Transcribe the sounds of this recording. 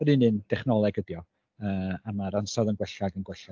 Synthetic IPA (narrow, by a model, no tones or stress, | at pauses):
ɔdinɨnd̥ɛχnɔlˠɛɡədjɔ | əːamaɾansɔðənɡwɛɬaɡənɡwɛɬa